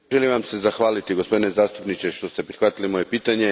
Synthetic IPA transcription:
ʒelimʋamsezaxʋaːlit̪iɡo̞spo̞d̪inezaːst̪upnit͡ʃeʃt̪o̞st̪e̞pɾixʋat̪ilimo̞jepiːt̪aɲe̞

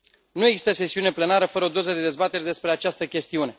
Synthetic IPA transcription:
nueɡzist̪əse̞siune̞ple̞naɾəfəɾəo̞d̪o̞zəd̪e̞d̪e̞zbat̪e̞ɾed̪e̞spɾe̞at͡ʃast̪əkʲe̞st̪iune̞

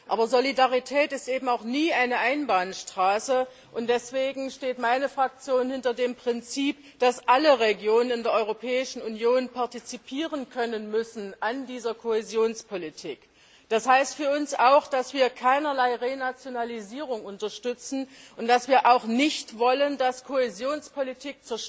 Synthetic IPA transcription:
ʔʔaːbɐzolidaʁitʰɛːtɪstʔeːbm̩aʊxniːʔaɪnəʔaɪnbaːnʃtʁ̥aːsə | ʔʊntd̥ɛsv̥eːɡŋ̩ʃteːtmaɪnəfʁ̥ak̚t͡sjoːnhɪntɐdeːmpʁ̥ɪnt͡siːp | d̥asʔaləʁeɡjoːnənɪndeːɐʔɔʏʁopʰɛːɪʃn̩unjoːnpʰaɐtit͡sipʰiːʁənkʰœnənmʏsn̩ʔandiːzɐkʰohezjoːnspʰolitʰḭːk | d̥ashaɪstfyːɐʊnsaʊxd̥asv̥iːɐkʰaɪnɐlaɪʁeːnat͡sjonaliziːʁ̞ʊŋʊntɐʃtʏt͡sn̩ʊnt̚d̥asv̥iːɐʔaʊxnɪçtv̥ɔləndaskʰohezjoːnspʰolitʰiːk̚t͡suɐʃ

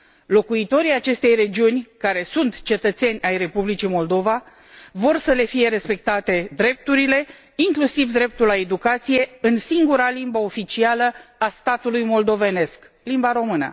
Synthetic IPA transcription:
lo̞kuit̪o̞ɾiat͡ʃe̞st̪e̞jre̞d͡ʒiunʲkaɾe̞sunt̪t͡ʃe̞t̪ət̪se̞nʲajre̞publit͡ʃimo̞ld̪o̞va | vo̞rsəle̞fije̞ɾe̞spe̞k̚t̪at̪e̞d̪ɾe̞p̚t̪uɾile̞ | iŋklusivd̪ɾe̞p̚t̪ulae̞d̪ukat̪sije̞ɨnsiŋɡuɾalimbəo̞fit͡ʃialəast̪at̪ulujmo̞ld̪o̞ve̞ne̞sk | limbaɾo̞mɨnə̰

